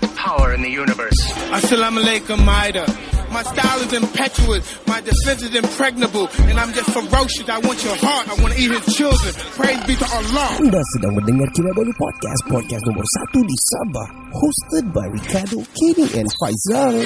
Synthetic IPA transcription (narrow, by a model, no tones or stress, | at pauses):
pʰaʊə˞ɨ̃nðɨjunɨvɜ˞saɪsɛlãɪ̃məleɪkəmaɪɾəmaɪstaɪlˠɨzɨ̃mpʰɛt͡ʃuəs | maɪdɨflɪ̃s̬ɨzɨ̃mpʰɹ̥ɛɡ̚nɨbəl̩ˠɨ̃nãɪ̃md͡ʒʌstfəɹoʊʃɨsaɪwɑ̃nt͡ʃə˞hɑɹtaɪwɑ̃ntɨit̚hɪz̥t͡ʃʰɪlˠdɹɨ̃npʰɹ̥eɪzbifəəlɔdasədãŋbəndəŋarkiwadalipɔ̰d̚ka̰st̚pʰɔd̚kɛstnɔ̃mbə̰rsa̰t̪udisɛ̃mbə̰r | host̪əd̚ba̰jɹikʰadokʰiniʔɛ̰̃nfajzaɹ